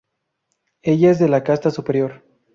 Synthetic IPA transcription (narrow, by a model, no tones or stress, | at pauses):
e̞ʝaezðe̞lakast̪asupe̞ɾjo̞ɾ